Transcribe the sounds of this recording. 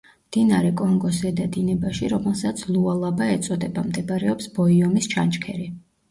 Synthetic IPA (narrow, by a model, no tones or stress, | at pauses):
md̪̥inaɾɛkʼɔŋɡɔsɛd̪ad̪inɛbaʃiɾɔmɛlˠsat̪sʰlˠualˠabaɛt̪sʼɔd̪ɛbamd̪ɛbaɾɛɔpsbɔiɔmist͡ʃʰant͡ʃʼkʰɛɾi